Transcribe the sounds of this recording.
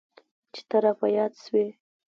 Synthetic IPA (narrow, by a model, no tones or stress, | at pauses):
t͡ʃe̥t̪aɾafajɑd̪ʃwe